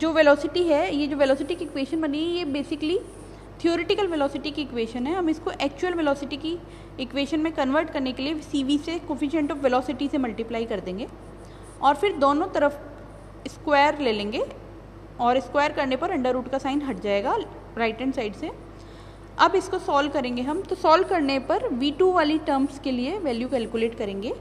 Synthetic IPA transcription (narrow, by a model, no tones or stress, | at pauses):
d͡ʒoːʋɛlɔːsɪʈiɦɛjed͡ʒoːʋɛlɔːsɪʈikiɪkʋeːʃənbɐnẽːɡijebeːsɪkli | t̪ʰijoːɾeʈɪkəlʋɛlɔːsɪʈikiɪkwʋeːʃənɦɛɦɐmɪskoʔɛːk̚t͡ʃʊwəlʋɛlɔːsɪʈiki | ɪkʋeːʃənmẽkɐ̃nʋəɾʈkɐɾnekelieʋsiːʋiːsekɔfiʃɛ̃ɳʈɔfʋɛlɔːsɪʈisemɐlʈɪplaːikɐɾd̪ẽːŋɡeː | ɔːɾfɪɾd̪oːnõt̪ɐɾəf | ɪskweːəɾleːlẽːŋɡe | ɔːɾɪskwaːjəɾkɐɾnepɐɾɐ̃ɳɖəɾːuːʈkasaːɪ̃nɦɐʈd͡ʒaːeːɡaː | ɾaːɪʈə̃nsaːɪɖse | ɐbɪskosɔːlkɐɾẽːŋɡeɦɐmt̪osɔːlkɐɾnepɐɾʋiːʈuʋaːliʈəːɾmskelieʋɛːljukɛːlkʊleːʈkɐɾẽːŋɡeː